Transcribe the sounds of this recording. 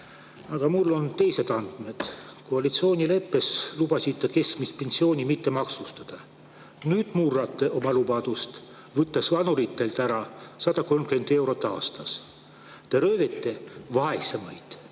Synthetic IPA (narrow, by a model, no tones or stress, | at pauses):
ɑɡ̥ɑmulːo̞nt̪e̞jse̞d̪̥ɑnd̪̥me̞d̪̥koɑlit̪sio̞ːnʲile̞pːe̞slub̥ɑsid̪ːɑke̞skmispe̞nsio̞ːnʲimit̪ːe̞mɑksust̪ɑd̪̥ɑ | nyːd̪̥murɑt̪ːˑe̞ʔo̞mɑlubɑd̪̥ust̪ | vɤt̪ːesvɑnuɾit̪ːˑelt̪æɾɑsɑd̪̥ɑko̞lmkyend̪̥e̞wɾo̞t̪ˑːɑ̰ːst̪ɑs | t̪e̞ɾø̞ːvet̪ːˑe̞vɑɦesemɑjd̪̥